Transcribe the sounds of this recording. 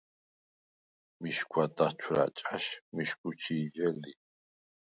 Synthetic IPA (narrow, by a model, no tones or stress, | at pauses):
miʃkʰʷwat̪ʼat͡ʃʰɾa̰t͡ʃʼaʃmiʃkʰʼut͡ʃʰiːd͡ʒɛli